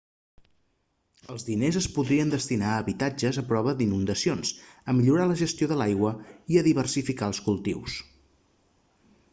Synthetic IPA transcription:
əlˠzðinezəspuðɾiənd̪əst̪inaəːβit̪ad͡ʒəzəpɾɔβəd̪inund̪əsionsəmiʎuɾaləʒəst̪ioðəlajɣwəiəðiβ̞ərsifikaəlˠskulˠt̪ḭws

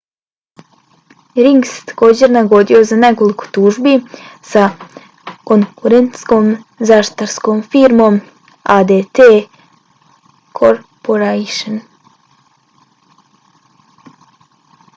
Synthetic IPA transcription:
ɾiŋɡse̥t̪ḁko̞ːd͡ʑe̞ɾnaɡo̞d̪io̞zane̞ko̞liko̥t̪uːʒbisa | ko̞ŋkuɾent̪skomzaʃt̪aɾsko̞mfiɾmo̞m | ad̪et̪e | kʰoɾpoɾeʃon

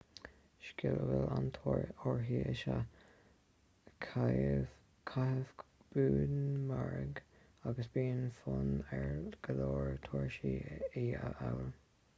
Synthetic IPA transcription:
ʃkɪləɡəlantʰoɹɦiːʔəʃa | kʰ | kʰahəvb̥uːdmaɹəɡ | aɡəsbiːnfʊnɛɹɡ̥əloːɹt̪ʰoːɹʃiːiːəawəl

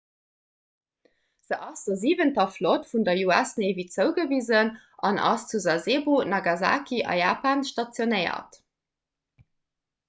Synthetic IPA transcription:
z̥əʔɑsd̥əziːvəntɐflotfundɐjuæsnevit͡səʊɡəviːzən | ʔɑnʔɑ̰st͡suzɑzeːbonɑɡɑza̰ːkiʔɑ̰jaːpaːnʃtɑt͡sjonəɪɐ̰t

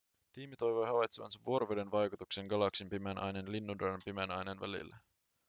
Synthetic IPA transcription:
t̪iːmit̪o̞jʋo̞jɦɑʋɑjt̪seʋɑ̰nsɑʋːuo̞ɾoʋedenʋɑjkut̪ukseŋɡɑlɑksimpimenʔɑ̰jnenlinːundompimenɑjnenʋæ̰lḭlːæ

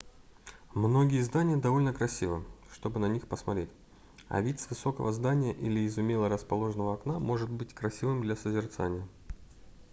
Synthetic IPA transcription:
mno̞ɡʲɪjəzd̪anʲɪjəd̪ɐvo̞lʲnəkɾɐsʲivɨʂt̪o̞bɨnɐnʲixpəsmɐt̪ɾʲetʲ | ɐ̰vʲitʲsvɨso̞kəvəzd̪anʲɪjəʔilʲɪːzʊmʲelˠəɾəspɐlˠo̞ʐɨnəvəɐknamo̞ʐɨt̪̚bɨtʲkɾɐsʲivɨmd̪lʲasəzʲɪrt̪sa̰nʲɪjə

